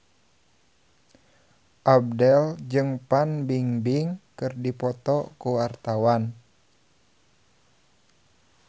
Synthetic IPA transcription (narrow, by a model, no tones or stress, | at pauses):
ʔab̚dɛld͡ʒɨŋpanbiŋbiŋkɨrdipɔt̪ɔkuwart̪awan